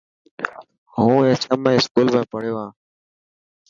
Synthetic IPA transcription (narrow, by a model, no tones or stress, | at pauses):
ɦũːeːt͡ʃəmẽːskuːlbẽːpəɽjoːãː